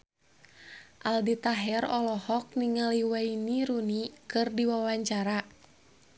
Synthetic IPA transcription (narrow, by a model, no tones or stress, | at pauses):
ʔaldit̪aɦɛrɔlɔhɔk̚niŋaliwainiɾunikɨrdiwawaɲt͡ʃaɾa